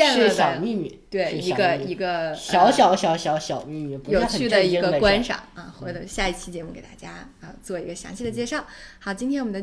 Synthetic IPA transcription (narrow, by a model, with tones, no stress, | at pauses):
ɛ˥˧lɻ̩˥˩˧ɕjɑ˨˩mi˥˧my˨˩˦t̪we˥˩ɪ˧i˧˥ɡə˧i˧˥ɡə˧ɕjɑ˧˥ʊɕjɑ˧˥ʊɕjɑ˧˥ʊɕjɑ˧˥ʊɕjɑ˨˩ʊmi˥˧my˥˩pu˧jo˨˩ʊ˥t͡ɕʰy˥˩d̪ə˧˨i˧˥ɡə˧kwa˥nʂɑ̰˨˩˦ŋɐ˧˩xwɔ˧˥d̪ə˧˩ɕja˥˧i˥˩t͡ɕʰi˧˥t͡ɕjɛ˧˥mu˥˩ke˨˩ɪt̪a˥˩t͡ɕja˥ | ə˧t͡swɔ˥˩i˧˥ɡə˧ɕjɑ̰˧˥ŋɕi˥˩d̪ə˩t͡ɕjɛ˥˧ʂɑ˥˩ʊhɑ˧˥ʊt͡ɕi˥nt̪ʰɛ˥nwɔ˨˩m˧nd̪ə˧